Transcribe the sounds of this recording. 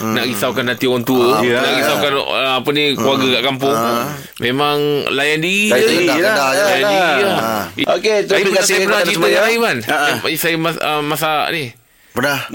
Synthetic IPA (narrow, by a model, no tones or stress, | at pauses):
naʔɡisawkanːat̪iɔɔnt̪unaʔɡisawkanəapəniklwaɡəkaʔkampʊŋ | memaŋlajandii | alajandiaoket̪aiassajəənat͡ʃit̪ajalaibanaisajəmaəmasaa̰ʔni | pənah